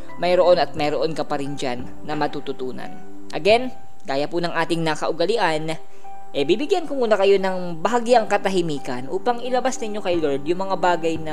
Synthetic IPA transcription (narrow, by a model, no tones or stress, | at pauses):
mɐjɾoʔo̞nɐt̪̚mɐjɾoʔo̞nkɐpɐɾɪnd͡ʒanːɐmɐt̪ut̪ʊt̪uːnɐ̰n | ʔɐɡɛn | kaːjɐpʊnɐŋʔaːt̪ɪŋnɐkɐʔʊɡɐlɪʔan | ʔɛbibɪɡjankʊŋʔuːnɐkɐjo̞nɐŋ | bɐaɡiɐŋkɐt̪ɐɦɪmiːkɐnʔṵːpɐŋɪlɐbasnɪɲjo̞kɐjlold̪jʊŋmɐŋabaːɡɐjnɐ